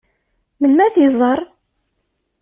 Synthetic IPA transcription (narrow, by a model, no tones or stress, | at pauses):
mənmæθizˤəɾˤ